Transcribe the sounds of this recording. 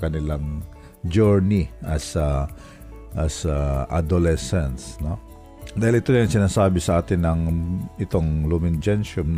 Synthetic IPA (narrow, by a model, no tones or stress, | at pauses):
kɐnɪlaŋ | d͡ʒɛɹniʔɐsɐ | ʔɐsɐʔa̰d̪olɛsɛnsno | d̪aːhɪlʔɪt̪onaŋsɪnaːsaːbɪsɐʔaːt̪ɪnːɐŋɪt̪oŋlumɪnd͡ʒɛnʃonn